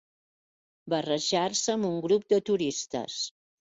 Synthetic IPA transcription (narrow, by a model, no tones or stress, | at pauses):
bərəʒarsəːmuŋɡɾup̚d̪ət̪uɾist̪ə̰s